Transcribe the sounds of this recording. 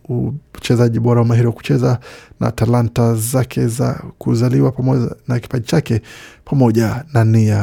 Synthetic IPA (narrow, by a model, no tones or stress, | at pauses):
ut͡ʃɛzaʄiɓɔɾawamaɦiɾiwaku̥t͡ʃɛzanʔa̰talantazakʰɛza̰kuzaliwapɔnaki̥paɗit͡ʃakɛpʰamɔʄanania